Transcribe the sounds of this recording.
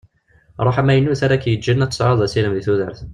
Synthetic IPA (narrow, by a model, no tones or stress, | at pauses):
ɾˤɑħæmæjənːuθæɾækːjəd͡ʒənːæt̪sˤʕɑðˤæsiləmðiθuðəɾθ